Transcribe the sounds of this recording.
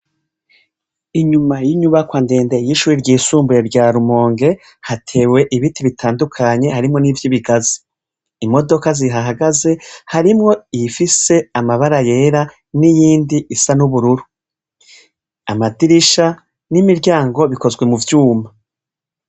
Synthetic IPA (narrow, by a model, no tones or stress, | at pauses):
iɲumajiɲuβakwaːnde̞ːndejiʃuːɾiɾɟiːsuːmbuɾe̞ɾɟaːɾumo̞ːŋɡe̞ | hatʰe̞we̞ʔiβitʰiβitʰaːndukʰaɲe̞haɾimŋo̞niːvjiβiɡazi̥ | imo̞do̞kaziɦaɦaɡaze̞haɾimŋo̞iifise̞amaβaɾaje̞ːɾa | nijiːndiʔisanuβuɾuɾu | amadiɾiʃa | nimiɾɟaːŋɡo̞βiko̞zɡwe̞muvjuːma